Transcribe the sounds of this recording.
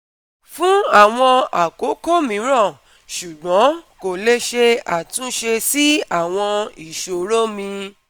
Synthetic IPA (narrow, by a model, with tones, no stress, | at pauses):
fũ˦a˦˨w̃ɔ̃˧a˨ko˨˦ko˦mĩ˨˧˦ɾ̃ɔ̃˦˨ | ʃu˨ɡ͡bɔ̃˨˦ko˨le˧ʃe˧a˨tũ˨˦ʃe˧si˦a˦˨w̃ɔ̃˧i˦˨ʃo˨ɾo˦mĩ˧